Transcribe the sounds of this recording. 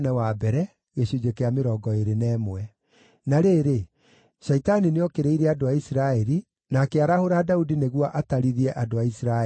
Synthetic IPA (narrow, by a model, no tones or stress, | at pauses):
nɛwabɛɾɛ | ɣeɕud͡ʑekeameɾɔːɡɔeɾenɛːmwɛ | naɾeːɾe | ʃɛitanineɔkeɾeiɾɛadoaisiɾaɛɾi | nakɛaɾahoɾadaudineɣwaʔataɾiðiɛʔadoaisɾa